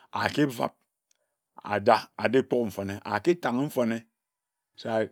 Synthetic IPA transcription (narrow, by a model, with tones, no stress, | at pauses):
a˨ke˦va̰˨p̚ | a̰˨da˦a˨de˦k͡po˦km̩˨fo˨ne˦ʔa˨ke˦ta˨ŋ˦m̩˦fo˨ne˦ | so˦a˨